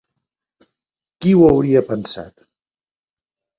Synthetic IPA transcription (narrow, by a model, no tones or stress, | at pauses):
kiwəwɾiəpənsa̰t̪